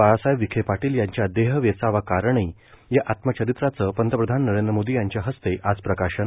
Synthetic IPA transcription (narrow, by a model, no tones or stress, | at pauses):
asajʋːikʰepaʈiːljaɲt͡ɕjad̪eɦəʋjesaʋakaɾəɳej | jaʔat̪mət͡ɕəɾit̪ɾat͡səːpənt̪əpɾəd̪ʱanːəɾend̪ɾəmod̪ijaɲt͡ɕjaɦəst̪eʔad͡zpɾəkaɕən